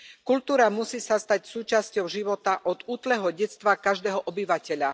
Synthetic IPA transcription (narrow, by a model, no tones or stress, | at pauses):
kulʲt̪uːɾamusiːsast̪acsuːt͡ʃascɔʊʒiʋɔt̪aʔɔd̪uːt̪lɛːɦɔɟɛt͡st̪ʋakaʒd̪ɛːɦɔʔɔbiʋacɛʎa